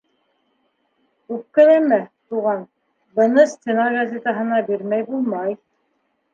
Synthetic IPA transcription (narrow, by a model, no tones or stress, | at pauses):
kʉp̚kæ̆læmæt̪uʁɑn | bɤ̆nɤsʲt̪ʲenɑɡazʲet̪əɦɤ̆nɑbiɾmæjbulˠmɑj